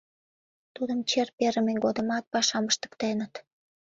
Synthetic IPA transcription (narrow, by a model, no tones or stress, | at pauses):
t̪ud̪əmt͡ɕerpeɾəmeɡod̪ə̆mɑt̪̚pɑʃɑməʃt̪ə̥kt̪enət̪